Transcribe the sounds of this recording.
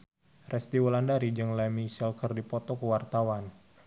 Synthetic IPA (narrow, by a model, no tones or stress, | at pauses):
rɛst̪iwɔlandaɾid͡ʒɨŋlɛmisɛlkərdipɔt̪ɔkəwart̪awan